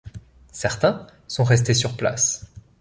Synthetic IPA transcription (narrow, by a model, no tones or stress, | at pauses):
sɛʁt̪ɛ̃ | sɔ̃ʁɛst̪esyʁpla̰s